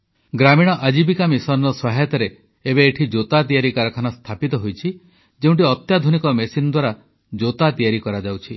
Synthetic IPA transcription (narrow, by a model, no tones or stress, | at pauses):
ɡɾamiɽ̃ɔʔad͡ʒibikamisɔnɾɔswaɦet̪ɔɾe | ebeːʈʰid͡ʒot̪at̪̬ijaɾikaɾɔkʰanast̪ʰapit̪ɔɦojt͡ʃʰi | d͡ʒeũɳʈiɔt̪jad̪ʱunikɔmesinɔd̪waɾa | d͡ʒot̪at̪ijaɾikɔɾad͡ʒawt͡ʃʰi